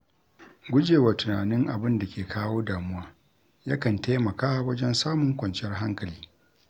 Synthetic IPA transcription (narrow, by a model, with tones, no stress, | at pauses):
ɡʷʊ˦d͡ʒeː˨wa˨tʊ˨naː˨nɪ˦ŋʔa̰˨bɪ˦nda˨kʲeː˨kʰaː˦woː˦daː˨mʊ˦waː˦ | ja˦kɐ˨nta˦mɐ˨kaː˦wɐ˦d͡ʒɛ˦nsaː˦mʊ˨ŋkʷɐ˨nt͡ʃɪ˦jɛ˦rɦa˦ŋkɐ˨liː˦